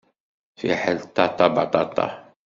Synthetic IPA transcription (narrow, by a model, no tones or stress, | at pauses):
fḭħəlt̪ɑt̪ɑbɑt̪ɑt̪ɑ̰